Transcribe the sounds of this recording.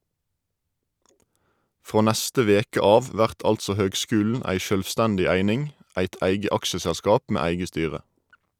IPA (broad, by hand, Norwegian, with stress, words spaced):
ˈfʁoː ˈnæstə ˈʋeːkə ˈɑːʋ ˈʋæʁt ˈɑltsɔ ˈhøːɡˌskʉːln̩ ˈæɪ ʃœlʋˈstændɪ ˈæɪnɪŋ ˈæɪt ˈæɪɡə ˈɑkʃəsælˌskɑːp ˈmeː ˈæɪɡə ˈstyːʁə